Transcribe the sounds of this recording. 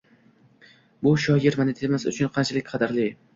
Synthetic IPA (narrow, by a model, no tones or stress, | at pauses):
bʊʃɒjɪɾmanet̪ʰemasʊ̰t͡ʃʰʊnqʰɑnt͡ʃʰalɪkʲqʰɑd̪aɾlɪ